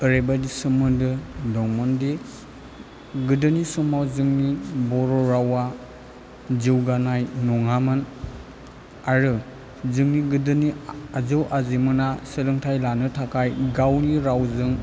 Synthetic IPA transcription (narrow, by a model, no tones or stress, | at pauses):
ɯɾebadisɯmɯdɯdɔŋmɔndi | ɡɯdɯnisumawzɯŋnibɔɾɔɾawa | ziwɡanajnɔŋamɯn | aɾɯ | zɯŋniɡɯdɯniaziwʔazimɯnasɯlɯŋtʰajlanɯtʰakʰajɡawniɾawzɯŋ